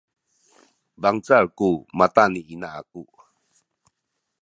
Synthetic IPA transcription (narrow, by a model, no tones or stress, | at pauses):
baŋt͡sarkumat̪aniʔinaaku